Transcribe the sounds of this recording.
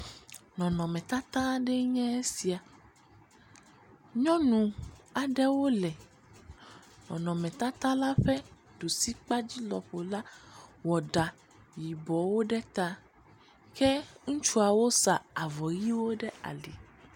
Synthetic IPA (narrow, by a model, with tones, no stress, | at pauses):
nɔ̃˨nɔ̃˨mɛ̃˨t̪a˦t̪ã˦ɖɛ˦ɲɛ̃˦e˦si˨a˨ | ɲɔ̃˦nũ˨a˨ɖɛ˦wo˦lɛ˨ | nɔ̰̃˨nɔ̃˨mɛ̃˨t̪a˦t̪ã˦la˦ɸɛ˦ | ɖo˨si˦k͡pa˦d͡ʑi˦lɔ̰˨ɸo˨la˦wɔ˨ɖa˨ | ji˨bɔ˨wo˦ɖɛ˦t̪a˦ | ke˦ŋũ˦t͡ʃu˦a˨wo˦sa˨a˨vɔ˨ji˦wo˦ɖɛ˦a̰˨li˨